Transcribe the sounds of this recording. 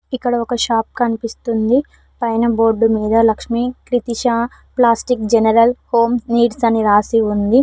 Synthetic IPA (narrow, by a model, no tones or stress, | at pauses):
ikːɐɽɐɔkɐʃaːp̚kɐnipist̪und̪i | pɐjnɐboːɖːumiːd̪ɐlɐkʂmikɾit̪iʃaː | plaːsʈikd͡ʒɛnɐɾɐlho̞ːmniːɖsɐniɾaːsiund̪i